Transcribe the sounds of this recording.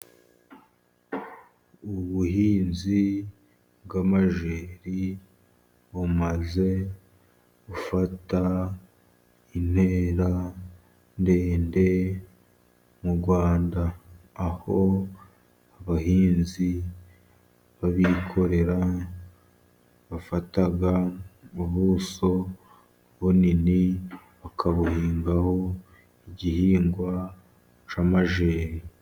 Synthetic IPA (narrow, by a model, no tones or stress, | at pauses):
uβuhiːnzi | bɡamaʒeːɾi | βumaze̞ | ɡufata | in̥heːɾa | nde̞ːnde̞ | muɾɡwaːndaːho | aβahiːnzi | βaβikʰo̞ɾe̞ɾa | βafataɡauβuːso̞ | βonini | βakʰaβuhiːŋɡaho̞ | iɟihiːŋɡwa | t͡ʃamaʒeːɾi